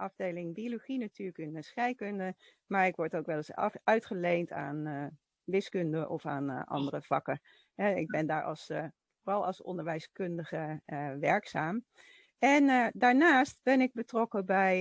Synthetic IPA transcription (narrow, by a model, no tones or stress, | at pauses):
ʔɑvdejlɪŋbioloχinatyːɹləkɪnsχɛjkɵndə | maːɹɪkʋɔɹtowkʋɛləsœɥtχəlejnta̰ːn | ʋɪskɵndəʔɔ̰fa̰ːnʔɑ̰ndərəv̥ɑ̰kə | ɦɛɪɡ̚bɛndaːɹʔɑ̰lˠs | forɑlˠɑ̰lˠsɔ̰ndəɹʋɛjskɵndəχəʋɛɹksaːm | ɛndaːɹnaːst̚bɛnɪɡ̚bətrɔkəbɛj